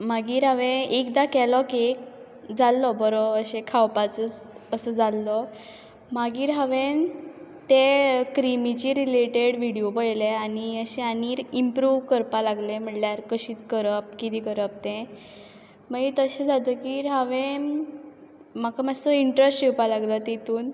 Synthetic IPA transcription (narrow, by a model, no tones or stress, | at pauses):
maɡiːɾɦəʋẽekd̪akɛlɔkek | d͡zalːɔbəɾɔəɕẽkʰawpat͡sət͡s | əsəd͡zalːɔ | maɡiːɾɦaʋẽnt̪ekɾimit͡ɕiɾileʈeɽʋiɽijopəjleaniəɕẽaniːɾimpɾuʋkəɾpalaɡlem̤əʈljaɾkəɕiːt͡s̪kəɾəp̚kit̪ikəɾəp̚t̪ẽ | maɡit̪əɕed͡zat̪əkiɾɦəʋẽ | makamad͡zt̪ɔiɳʈɾəsʈiwpalaɡlɔt̪it̪uːn